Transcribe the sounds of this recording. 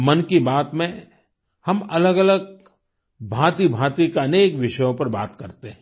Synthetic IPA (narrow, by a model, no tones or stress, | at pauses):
mɐnkibaːt̪mẽ | hɐmɐləɡɐləɡ̚ | bʱaːt̪ibʱãːt̪ikaneːkʋɪʃəjõpɐɾbaːt̪kɐɾt̪eɦɛ̃